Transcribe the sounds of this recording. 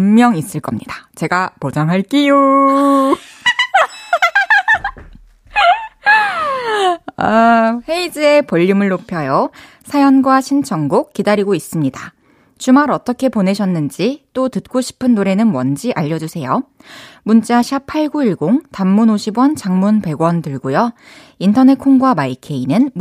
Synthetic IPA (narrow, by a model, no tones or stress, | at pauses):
mmjʌŋis͈ɯɭk͈ʌmɲidḁt͡ɕe̞ɡapod͡ʑaŋɦaɭk͈ijo | aɸe̞id͡ʑie̞pʌʎːimɯɭːopʰjʌjo | sʰajʌnɡwaɕʰint͡ɕʰʌŋɡok̚k͈ːidaɾiɡois͈ɯmɲida | t͡ɕumaɾʌt͈ʌkʰe̞pone̞ɕʰʌnːɯnd͡ʑit͈otɯt̚k͈oɕʰi̥pʰɯnːoɾe̞nɯnmwʌnd͡ʑiʔaʎːʌd͡ʑusʰe̞jo | munt͡ɕ͈aɕʰjapʰaɭɡuiɭɡoŋtamːunoɕʰibwʌnt͡ɕaŋmunpe̞ɡwʌntɯɭɡojo | intʰʌne̞kʰoŋɡwamaikʰe̞inɯn